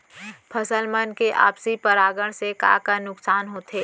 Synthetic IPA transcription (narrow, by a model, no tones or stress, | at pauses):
pʰəsəlmənkeʔa̰ːpsipəɾaːɡəɽ̃seka̰ːkanʊksaːnɦoːt̪eː